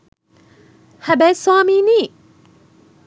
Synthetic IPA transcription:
hæbɛsaːmiːniː

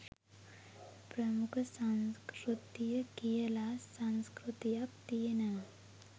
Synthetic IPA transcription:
pɾɐmukʰsanskɾut̪ijəkijəlasãnskɾut̪ijak̚t̪inɐ

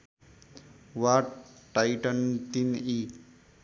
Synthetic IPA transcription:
waʈʈːajʈənt̪ini

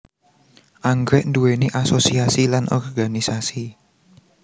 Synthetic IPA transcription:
ʔaŋɡɾɛʔnd̪uweniʔasosiasilanʔɔ̰rɡanisasi

